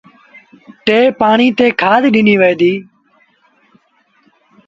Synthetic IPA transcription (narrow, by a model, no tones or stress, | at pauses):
ʈeːpaːɳiːt̪eːkʰaːd̪ɗɪniːʋeːjd̪iː